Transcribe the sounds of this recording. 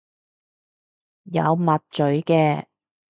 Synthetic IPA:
jɐ̰˨˧wmɐ˨t̚t͡ʃɵ˨˥ɥkɛː˧

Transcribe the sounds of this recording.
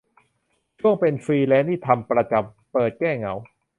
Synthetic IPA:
t͡ɕʰu˥˩əŋpe˧nfɾiː˧lɛː˦˥nt̪iː˥˩t̪ʰa˧mpɾa˧t͡ɕa˨˩m | pɤː˨˩t̪̚kɛː˥˩ŋa˩˦w

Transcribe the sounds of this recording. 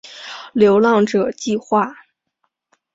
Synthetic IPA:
ljo˧˥ʊlɑ˥˩ŋʈ͡ʂɤ˨˩t͡ɕi˥˧xwa˥˩

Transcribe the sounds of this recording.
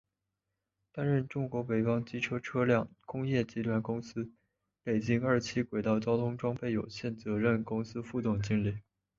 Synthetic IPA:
t̪a˥nɻə˥˩nʈ͡ʂʊ˥ŋkwɔ˧˥pe˨˩ɪfɑ˥ŋt͡ɕi˥ʈ͡ʂʰɤ˥ʈ͡ʂʰɤ˥ljɑ˥˩ŋkʊ˥ŋjɛ˥˩t͡ɕi˥t̪ʰwa˧˥nkʊ˥ŋsɹ̩˥ | pe˨˩ɪt͡ɕi˥ŋə˞˥˩t͡ɕʰi˥kwe˨˩ɪt̪ɑ˥˩ʊt͡ɕjɑ˥ʊt̪ʰʊ˥ŋʈ͡ʂwɑ˥ŋpe˥˩ɪjo˨˩ʊɕjɛ˥˩nt͡sɤ˧˥ɻə˥˩nkʊ˥ŋsɹ̩˥fu˥˧t̪ʊ˥˩ŋt͡ɕi˥˧nli˥˩

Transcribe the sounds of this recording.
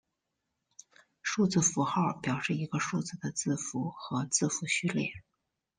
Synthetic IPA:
ʂu˥˧t͡sɹ̩˥˩fu˧˥xɑ˥˩ʊpjɑ˨˩ʊʂɻ̩˥˩i˧˥ɡə˧ʂu˥˧t͡sɹ̩˥˩d̪ə˩t͡sɹ̩˥˩fu˧˥xɤ˧˥t͡sɹ̩˥˩fu˧˥ɕy˥˧ljɛ˥˩

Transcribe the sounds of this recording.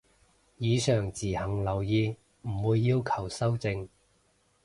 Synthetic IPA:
jiː˨˧sœː˨˩ŋt͡siː˨˩hɐ˨˩ŋlɐ˨˩wjiː˨˧ | m̩˨˩wuː˨˧jːiː˧wkʰɐ˨˩wsɐ˥wt͡sɪ˧ŋ

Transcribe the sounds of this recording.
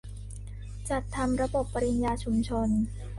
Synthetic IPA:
t͡ɕa˨˩t̪ʰːa˧mɾa˧bo˨˩pːa˧ɾi˧njaː˧t͡ɕʰu˧mt͡ɕʰo˧n

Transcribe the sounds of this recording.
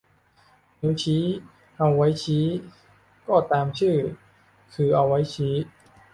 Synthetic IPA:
nu˦˥t͡ɕʰiː˦˥ | ʔa˧wːa˦˥jt͡ɕʰiː˦˥ | kɔː˥˩t̪aː˧mt͡ɕʰɯː˥˩ | kʰɯː˧ʔa˧wːa˦˥jt͡ɕʰiː˦˥

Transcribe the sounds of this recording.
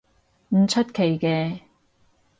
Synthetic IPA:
m̩˨˩t͡sʰɐ˥t̚kʰe˨˩jkɛː˧

